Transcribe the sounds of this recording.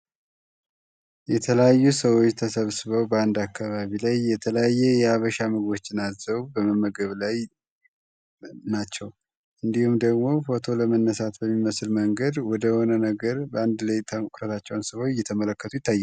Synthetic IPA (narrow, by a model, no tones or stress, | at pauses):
jɛt̪ʰələjajːusəwot͡ʃːt̪ʰəsəβsɨβəwbəand̪akːaβaβilajːɛt̪ʰələjajːɛjɛaβəʃaməɡo̞t͡ʃːɪnazzəβubəməmːəɡəβlaj | nat͡ʃːɛw | ʔɨnd̪ihumd̪əɡmo̞fo̞t̪ʰo̞ləmənːəsat̪bəmːiməsɨlməŋɡəd̪wɔd̪əho̞nənəɡəɾbəand̪lejt̪ʰakʼɾət̪ʰat͡ʃːɛwnsɨβot͡ʃːjɛt̪ʰəmələkːət̪ʰujɪt̪ːajːɛ